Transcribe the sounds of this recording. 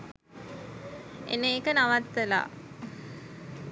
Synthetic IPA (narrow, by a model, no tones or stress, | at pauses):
ḛneːkənaʋat̪ːəla̰